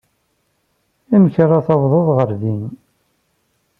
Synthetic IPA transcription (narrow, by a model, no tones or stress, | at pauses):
æməçɾˤɑθɑvðˤoðˤʁəɾðin